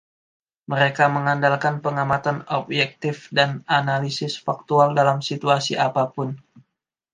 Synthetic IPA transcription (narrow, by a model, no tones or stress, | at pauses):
məɾekaməŋandalkanpəŋamat̪anɔbjɛk̚t̪ɪfdananalisɪsfak̚t̪ualdalamsit̪uasḭʔapapʊn